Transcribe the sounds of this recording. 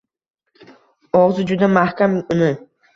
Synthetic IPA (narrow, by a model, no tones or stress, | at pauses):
ɒʁzɨd͡ʒʊd̪amahkʲamʊnɪ